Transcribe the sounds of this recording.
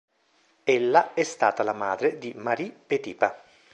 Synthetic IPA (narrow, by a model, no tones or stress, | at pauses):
elːaɛst̪aːt̪alamaːd̪ɾed̪imaɾipet̪iːpa